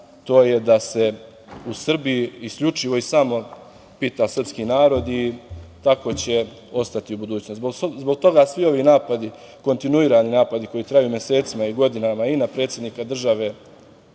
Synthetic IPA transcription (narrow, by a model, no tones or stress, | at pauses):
t̪o̞ːje̞d̪ase̞ | usr̩bijiiskʎut͡ʃiʋo̞isamo̞ | pit̪asr̩pskinaːɾo̞d̪it̪ako̞t͡ɕe̞ | o̞st̪at̪iubud̪uːt͡ɕnosbozbo̞ɡ̚t̪o̞ɡasʋio̞ʋiːnaːpad̪i | ko̞nt̪inuiːɾaninaːpad̪iko̞jit̪ɾajuːmje̞se̞ːt̪simaiɡo̞d̪inamainapɾe̞t̪sjed̪niːkad̪r̩ʒaʋe̞ː